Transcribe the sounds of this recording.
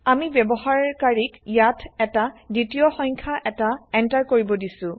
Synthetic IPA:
amibɛbɔɦaɹkaɹikjatʰɛtaditijɔxɔɲkʰaʔɛtaɛntaɹkoɹibɔdisʊ̃

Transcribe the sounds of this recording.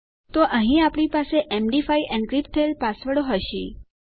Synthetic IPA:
t̪oʔəɦĩapɽ̃ipaseʔemɖifaiʔɛ̃nɖɡɾipt̪ʰəelpasʋəɽoɦəʃḭ

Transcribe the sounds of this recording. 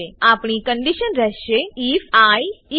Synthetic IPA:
eapɳikəɳɖiʃənɾɛɦʃeifaji

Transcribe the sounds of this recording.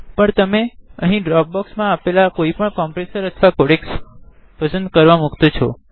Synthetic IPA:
pəɳt̪əmeəɦĩɖɾɔɡ̚bɔksmãːpelakoipəɳkɔmpɾesəɾət̪ʰʋakoɽeks | pəsə̃nd̪̚kəɾʋamukt̪ot͡ʃʰɔ

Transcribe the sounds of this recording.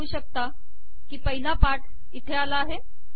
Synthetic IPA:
uːɕək̚t̪a | kiːpəɦilapaʈ | it̪ʰealaːɦe

